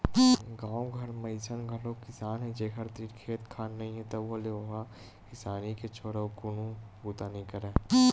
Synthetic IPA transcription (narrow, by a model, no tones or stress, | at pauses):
ɡãːõɡʱɐɾmɐɪsənɡʱəɾloːkɪsaːnɦɛ̃d͡ʒeːkʰəɾt̪iːɾkʰeːt̪kʰaːnːɐɦĩɦɛ̃t̪ɐoleʋɐɦa | kɪsaːniket͡ʃʰoːɽəkʊnũbuːt̪anəĩkɐɾeː